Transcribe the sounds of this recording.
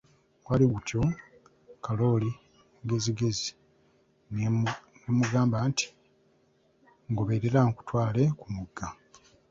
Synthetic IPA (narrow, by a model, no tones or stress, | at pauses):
waliɡutʰjo̞ | kalo̞li | ɡe̞ziɡe̞zi | nemuɡaːmbaːnti̥ | ŋɡoβeːɾeɾaŋku̥twaːle̞kumuɡːa